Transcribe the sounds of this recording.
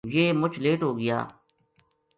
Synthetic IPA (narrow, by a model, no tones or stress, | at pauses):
jeːmʊt͡ʃʰleːʈɦoːɡɪja̰ː